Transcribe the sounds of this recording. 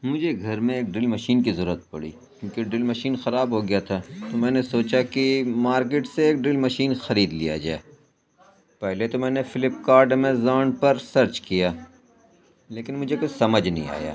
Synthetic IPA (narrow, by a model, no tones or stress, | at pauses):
mʊd͡ʒʱeɡʱɐɾmẽeːk̚ɖɪlmɐʃiːnkizɐɾuːət̪̚pɐɽḭː | kjũːkeɖɪlmɐʃiːnxɐɾaːbɦoːɡɪjat̪ʰaːt̪omɛ̃ːnesoːt͡ʃakimaːɾk̬eːʈseeːk̚ɖɪlmɐʃiːnxɐɾiːd̪lḭja̰d͡ʒa̰ːeː | pɛɦlet̪omɛ̃ːnefɪlɪpkaːɾɖmẽzaːɳpɐɾsɐɾt͡ʃkijaː | leːkɪnmʊd͡ʒʱekot͡ʃsɐməd͡ʒnɐ̰ɦḭ̃a̰ːja̰ː